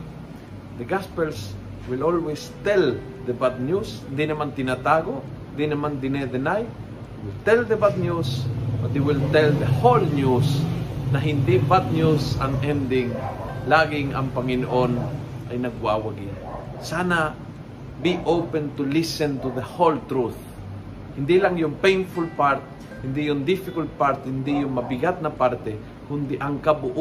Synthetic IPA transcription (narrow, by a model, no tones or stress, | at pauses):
d̪əɡaspɛls | wilolwest̪ɛl | d̪əbad̪̚njusnd̪inamant̪inat̪aɡo | nd̪inemand̪ined̪enaj | jwɪlt̪ɛld̪əbad̪̚njusbat̪juwɪlt̪ɛld̪əholnjusnaɦind̪ibad̪̚njusanɛ̃nd̪iŋlaːɡɪŋa̰ŋpaŋɪnoʔonʔajnɐɡ̚wawaɡi | sana | biʔowpɛ̃nt̪ulisɛ̃nt̪uðəholt̪ɾuθ | hɪnd̪ilaŋjʊŋpẽjnfulpaɹt̪̚ | hɪnd̪ijʊŋd̪ɪfɪkalt̪̚paɾt̪̚hɪnd̪ijʊŋmɐbiɡat̪̚napaɾt̪ɛ | kʊnd̪iʔaŋkabʊʔ